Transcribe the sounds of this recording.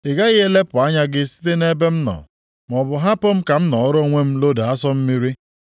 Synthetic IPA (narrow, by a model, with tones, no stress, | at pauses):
ɪ˨ɡa˦ɣɪ˦e˦le˦pʊ˨a˦ɲa˦ɡɪ˦si̥˦t̬e˦ne˦be˦m̩˦nɔ̰˨ | m˨ɔ˨bʊ˨ɦa˦pʊ˦m̩˦ka˨m̩˦nɔ˨˦ɾo˦ŋʷe˦m̩˦lo˦da˨a˦sɔ˦m̩˦mi˦ɾi˦